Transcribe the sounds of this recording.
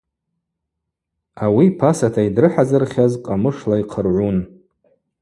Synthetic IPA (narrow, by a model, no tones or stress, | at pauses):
awipʰasatʰaidrɨħazɨrχʲazqʼamɨʂlaiqʰərʕʷun